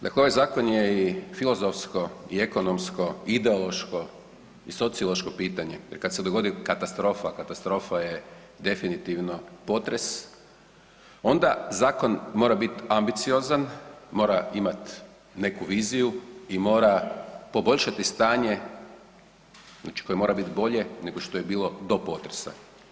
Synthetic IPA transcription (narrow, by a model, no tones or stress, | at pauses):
d̪a̰kleoʋajzaːkonjeifilˠozofsko̞ie̞ko̞nomsko̞id̪e̞olˠo̞ʃko̞ | iso̞t̪siolˠoʃko̞piːt̪aɲe̞jeɾkad̪sed̪oɡo̞d̪ikat̪ast̪ɾo̞ːfakat̪ast̪ɾo̞ːfaje̞ | d̪e̞finit̪iʋno̞po̞t̪ɾes | o̞nd̪azaːko̞nmo̞ːɾabit̪ambit̪sio̞zanmo̞ːɾaimat̪ | ne̞kuʋiːzijuimo̞ːɾapo̞bo̞ʎʲʃat̪ist̪aːɲe | znaːt͡ʃi̥ko̞jemo̞ːɾabit̪bo̞ʎe̞ne̞ɡo̞ʃt̪o̞jebiːlˠo̞d̪o̞po̞t̪ɾe̥sa̰